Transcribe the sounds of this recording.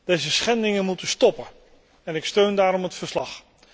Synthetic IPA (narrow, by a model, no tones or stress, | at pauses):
d̥ejzəsχɛndɪŋənmutəstɔpə | ɛnɪkstøɥndaːɾɔmɦətfəɹslɑχ